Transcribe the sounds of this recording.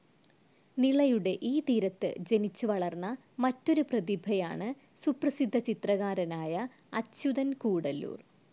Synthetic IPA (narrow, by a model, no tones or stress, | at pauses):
niɭɐjuɽe̞ʔiːt̪iːɾɐt̪ːɨ̰d͡ʑe̞nit͡ɕːuʋɐɭɐrnːɐ | mɐtːo̞ɾuprɐðibʱɐja̰ːɳɨ | suprɐsid̪ʱːɐt͡ɕit̪rɐɣaːɾɐnaːjɐ | ɐtɕuðɐnkuːɽɐlːṵːr